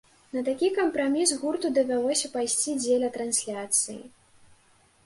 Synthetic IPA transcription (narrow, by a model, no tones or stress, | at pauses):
nɐt̪akʲikɐmpɾamʲisɣurt̪ud̪ɐvʲalˠɔsʲɐpajsʲt͡sʲid͡zʲelʲɐt̪ɾansʲlʲat̪sɨjḭ